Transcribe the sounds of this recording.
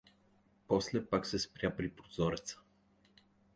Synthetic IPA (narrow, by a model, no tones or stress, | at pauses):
pɔslɛpaksɛspɾiapɾipɾozɔɾɛt̪sə̥